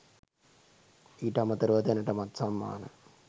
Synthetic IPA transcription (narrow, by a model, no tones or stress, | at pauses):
iːʈəamət̪əɾuʋɐt̪janəʈəmat̪samːa̰ːnə